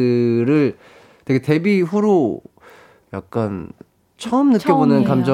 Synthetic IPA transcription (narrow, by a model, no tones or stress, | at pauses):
ɯɾɯɭ | tweɡe̞te̞biɸuɾo | ja̰k̚k͈an | t͡ɕʰʌɯmnɯkk͈jʌbonɯnkamd͡ʑʌ